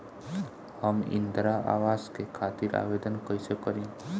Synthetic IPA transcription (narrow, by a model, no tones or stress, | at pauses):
həmɪ̰̃nd̪ɾaa̰ːʋaːzkekʰaːt̪iɾa̰ːʋeːd̪ənkəjsekəɾẽː